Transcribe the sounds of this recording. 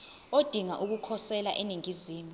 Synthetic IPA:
od̥ʱiŋa̰ʔuk̬ukʰɔsɛla̰ʔeniŋiziːmu

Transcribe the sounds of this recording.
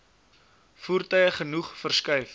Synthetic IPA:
fuːrtœjəχənuχfərskœɥf

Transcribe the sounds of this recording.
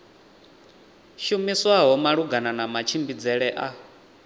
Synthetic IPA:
ʃumiswaɦɔmaɺuɡananamat͡ʃʰimbid͡zɛɺɛʔa

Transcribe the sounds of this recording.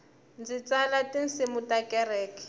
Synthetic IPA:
nd͡zit͡salatin̩sɪmutakɛɾɛːki̥

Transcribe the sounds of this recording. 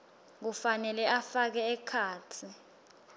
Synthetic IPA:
k̬ufanɛlɛʔafak̬ɛːkʰaːtʰi

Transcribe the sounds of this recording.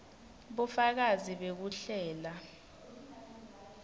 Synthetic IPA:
ɓufak̬aziɓek̬uɬɛːla

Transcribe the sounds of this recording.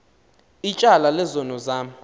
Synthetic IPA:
it͡ʃʼalalɛzɔnɔzaː

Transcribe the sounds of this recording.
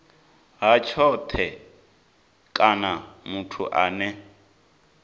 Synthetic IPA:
ɦat͡ʃʰɔt̪ʰɛ | kʼanamutʰṵʔaːnɛ

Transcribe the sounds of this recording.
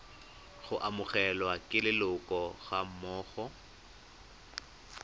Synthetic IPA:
χʊʔamʊχɛlwakʼɪlɪlʊkʼɔɣam̩mɔːɣɔ

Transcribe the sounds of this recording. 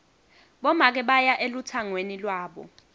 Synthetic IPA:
ɓɔmak̬ɛɓajaʔelutʰaŋwenilwaːɓɔ̰

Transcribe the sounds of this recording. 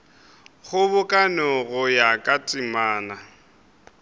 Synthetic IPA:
χʊbʊkʼanɔɣʊjakʼatʼɪmaːna

